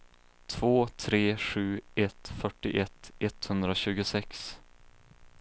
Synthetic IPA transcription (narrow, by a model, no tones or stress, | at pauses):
t̪ʰv̥oːt̪ʰɾeːɧʉ̟ːɛt̪fœʈːɪʔɛt̪ɛt̪hɵnd̪ɾaɕʉ̟ːɡʊsɛks